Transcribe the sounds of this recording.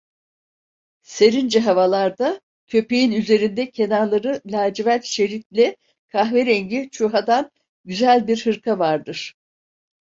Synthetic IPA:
se̞ɾind͡ʒɛɦavalˠaɾd̪a | cʰø̞pejinyze̞ɾind̪ɛcʰe̞naɾlˠaɾɯlʲaːd͡ʒivæt̪ʃe̞ɾit̪lʲɛ | kʰaxveɾɛɲɟit͡ʃʰuɦad̪an | ɟyzælʲbiɾhɯɾkʰavaɾd̪ɯɾ̥

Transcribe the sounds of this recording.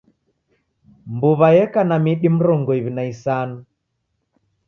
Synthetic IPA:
mbuβajɛkanamiɗim̩ɾɔŋɡɔiβinaisanu

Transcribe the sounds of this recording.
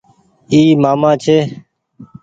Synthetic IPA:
iːmaːmaːt͡ʃʰeː

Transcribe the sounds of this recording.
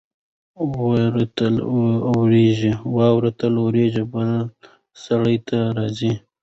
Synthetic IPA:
wɾt̪əlwɾeʒiwɑwɾat̪əlowɾeʒebəl | saɽəjt̪ʰaɾɑzi

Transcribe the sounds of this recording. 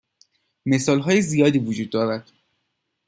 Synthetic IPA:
me̞sɒːlɦɒːjezijɒːd̪iːvud͡ʒuːd̪ːɒːɾæd̪̥

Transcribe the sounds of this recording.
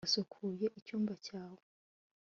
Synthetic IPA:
sokʰuje̞ʔicuːmbacaːwo

